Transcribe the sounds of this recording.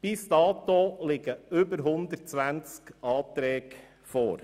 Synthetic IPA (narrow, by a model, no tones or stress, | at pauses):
b̥ist̪ɑːt̪olɪɡəʏbəɾɦʊnd̪əɾt̚t͡sʋænt͡skɑːt̪ɾɛːk | fo̰ːɾ